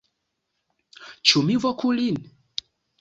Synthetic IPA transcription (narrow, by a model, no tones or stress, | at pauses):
t͡ʃumivɔkulin